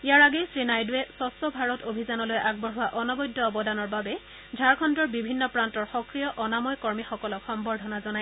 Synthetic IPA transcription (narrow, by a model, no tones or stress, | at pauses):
ijaɹaɡesɹinajdʊwɛsɔsɔbʱaɹɔtobʱizanɔlojʔaɡ̚bɔɹɦʊwaʔɔnɔbɔjdʱːɔɔbɔdanɔɹbabɛ | dʱaɹkʰɔndɔɹbibʱinːɔpɹantɔɹxɔkɹijɔʔɔnamɔjkɔɹmixɔkɔlɔkxɔmbɔɹdʱɔnazɔnaj